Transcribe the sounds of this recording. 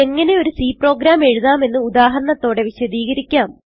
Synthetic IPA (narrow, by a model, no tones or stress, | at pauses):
e̞ŋːɐne̞o̞ɾusiːpro̞ːɡɾaːme̞ɻuðaːme̞nːɨud̪aːɦɐɾɐɳɐt̪ːo̞ːɽe̞ʋiɕɐðiːɣɐɾikʲːaːm